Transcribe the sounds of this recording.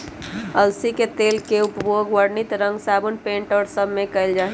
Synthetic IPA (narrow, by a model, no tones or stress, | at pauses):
əlsiket̪elkeupboɡwəɾnit̪ɾə̃ŋɡsabənpẽɳʈəɾsəbʱmekəɪld͡ʒaːɦi